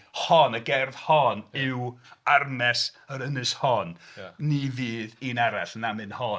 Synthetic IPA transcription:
hɔnəɡɛrðhɔnɪwarmɛsəɾənɨshɔnniviːðiːnaɾaɬnamɨnhɔ

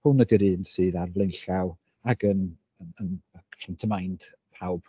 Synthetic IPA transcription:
hʊnədiɾɨːndsɨːðarvlˠɪnɬaw | aɡən | əənfantʰəmajnd̥ | pʰawb̥

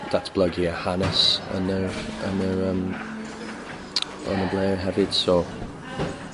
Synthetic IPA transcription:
ðatsb̥lʌɡiəhanəsə̰̃nəə̃nəɹəm | ʔə̰nəbleːɹɦɛvɪd̥soː

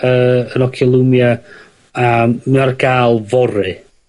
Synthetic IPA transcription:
əənɔkʰəlˠumja | amarɡaːlˠvɔɾɨ

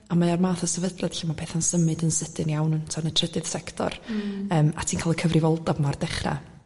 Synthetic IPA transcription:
amaarmaːθɔsɛvədlˠɛd̥ɬimapʰeːθansəmɨdənsɪdɨnjawnhʊntʰanətʰr̥ədɨð̥sɛktʰɔ̰rəːma̰tʰiːnkʰaːlˠəkʰəvrɪvɔlˠdavmardɛχra̰

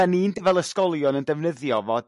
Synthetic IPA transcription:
ɛniːndəvɛlˠəskɔlˠjɔnəndɛvnəðjɔvɔd

